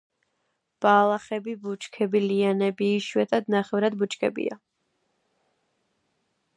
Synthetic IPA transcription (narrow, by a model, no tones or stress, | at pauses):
b̥aːlˠaχɛbibut͡ʃʰʼkʰɛbilianɛbiːʃwɛt̪ʼad̪naχɛvɾad̪but͡ʃʰʼkʰɛbḭa̰